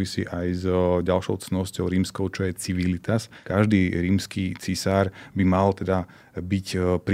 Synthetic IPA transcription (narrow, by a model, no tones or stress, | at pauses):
ʋisḭːʔajzɟalʃɔʊt͡snɔscɔʊɾiːmskɔʊt͡ʃɔjɛt͡siʋilit̪askaʒd̪iːɾiːmskiːt͡sisaːɾbimalt̪ɛd̪a | bicpɾ